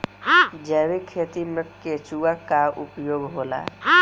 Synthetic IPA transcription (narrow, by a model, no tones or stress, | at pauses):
ɦd͡ʒəːwikʰːet̪imeket͡ʃuakaupjoːɡɦola̰ɦ